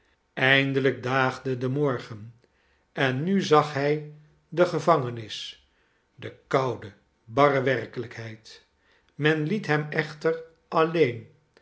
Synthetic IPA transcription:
ɛjndələɡ̚daːχdədəmɔɹχən | ɛnːyzɑχɦɛj | dəχəvɑŋənɪs | dəkɑwdə | bɑrəʋɛrkələkɦɛjt | mɛnlitɦɛmɛχtər | ʔɑlejn

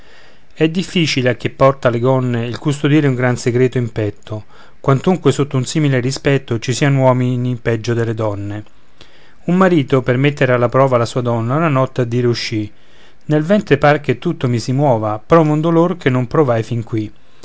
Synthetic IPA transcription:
ɛd̪ːifːit͡ʃileak̟ːepːɔrt̪aleɡɔnːeilkust̪od̪iːɾeuŋɡɾanseɡɾeːt̪oimpɛt̪ʰːo | kwant̪uŋkwesot̪ːounsiːmilerispɛt̪ːot͡ʃisiːanowɔːminipɛd͡ʒːod̪elːed̪ɔnːe | umːaɾiːt̪opermet̪ːeɾealːapɾɔːvalasuːad̪ɔnːaunanɔt̪ːaad̪ːiːɾeuʃːi | nelvɛnt̪ɾepark̟et̪ːut̪ːomisimwɔːvapɾɔːvund̪olork̟ʰenːompɾovajfiŋkwi

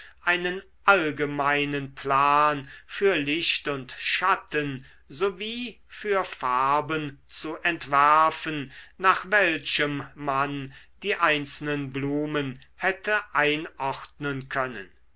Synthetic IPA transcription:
ʔaɪnən | ʔalɡəmaɪnənpʰlaːnfyːɐlɪʃtʊntʃatən | zoviː | fyːɐfaɐbənt͡suʔɛntv̥æɐfənnaːχvɛlʃəmmand̥iːʔaɪnt͡sl̩nənbluːmənhɛtʰəʔaɪnʔɔχtnənkʰœnə̰n

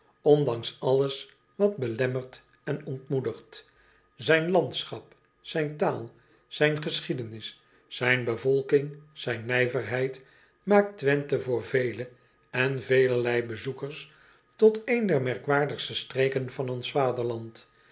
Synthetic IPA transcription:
ɔndɑŋsɑləs | ʋɑd̚bəlɛməɹt | ɛnɔntmudəχt | zɛjnlɑntsχɑp | sɛjntaːlˠ | sɛjnχəsχidənɪsː | ɛjnbəvɔlˠkɪŋz̥ɛjnːɛjvərɦɛjt | maːk̚tʋɛntəvʊːɹvejlə | ɛnvejləɹlɛjbəzukəɹs | tɔtejndɛɹmɛɹkʋaːɹdəχstəstreːkənvɑnɔnsfaːdəɹlɑnt

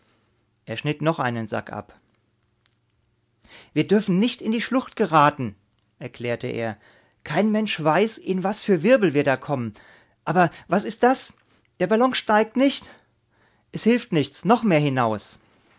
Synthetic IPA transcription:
ʔeːɐʃnɪtnɔχʔa̰ɪnənza̰kʔa̰p | viːɐdʏɐfn̩nɪçtɪndiːʃlʊχt̚ɡ̥əʁaːtn̩ | ʔɛɐkl̥ɛːɐtəʔḛːɐ | kʰaɪnmɛnʃv̥aɪsʔɪnvasfyːɐvɪɐbl̩viːɐdaːkʰɔmən | ʔaːbɐvasɪst̚d̥as | d̥eːɐbalɔŋʃtaɪk̚tnɪçt | ʔɛshɪlftnɪçt͡snɔχmeːɐhɪnaʊs

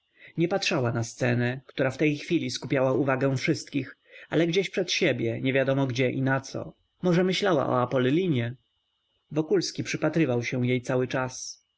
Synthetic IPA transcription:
ɲɛpatʂawanast̪sɛnɛkt̪uɾaft̪ɛjxfʲilʲiskupʲjawauvaɡɛw̃fʂɘst̪kʲix | ʔa̰lɛɡd͡ʑeɕpʂɛt̪ɕebʲjɛɲɛvʲjad̪ɔmɔɡd͡ʑɛʔinat̪sɔ̰ | mɔʐɛmɘɕlawa̰ʔɔ̰apɔllʲiɲɛ | vɔkulskʲipʂɘpat̪ɾɘvawɕɛ̃jejt̪sawɘt͡ʂas

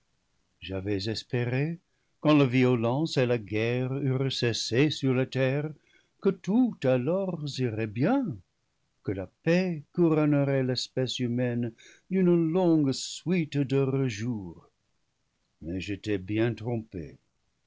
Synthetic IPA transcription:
ʒavɛzɛspeʁe | kɑ̃laviolɑ̃selaɡɛʁyʁəsesesyʁlatɛʁ | kətutalɔʁziʁɛbjɛ̃ | kəlapɛkuʁɔnəʁɛlɛspɛsymɛn | dynəlɔ̃ŋɡswitdəʁəʒuːʁ | mɛʒetɛbjɛ̃tʁɔ̃pḛ

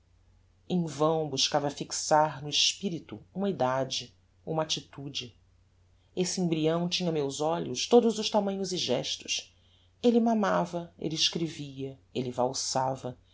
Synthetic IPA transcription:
ẽj̃vɐ̃w̃buʃkavɐfiksaɾnʊiʃpiɾit̪uũmɐid̪ad͡ʒɪ | ṵ̃mat͡ʃit̪ud͡ʒɪ | esɪẽbɾiɐ̃w̃t͡ʃĩɲɐmewzɔʎʊʃt̪od̪ʊzʊʃt̪amɐ̃ɲʊziʒɛʃt̪ʊ̥ʃ | elɪmamavɐḛlɪɪʃkɾeviɐelɪvawsavɐ

